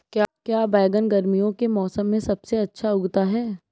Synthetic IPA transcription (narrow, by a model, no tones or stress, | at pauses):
kjaːkjaːbɛːɡənɡɐɾmijõkemɔːsəmːẽsɐbseɐtːʃʰaʊɡt̪aɦɛː